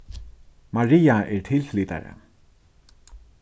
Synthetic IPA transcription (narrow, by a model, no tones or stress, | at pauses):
maɹiːaʔɛɹtʰɪlfliːt̪a̰ɹə̰